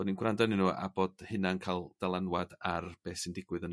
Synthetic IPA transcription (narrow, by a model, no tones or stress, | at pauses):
ɔdninɡwrandɔnɪnuːa̰boːd̥hɨnankʰajlˠd̥alˠanwadarb̥eːsɪndɪɡwɨðən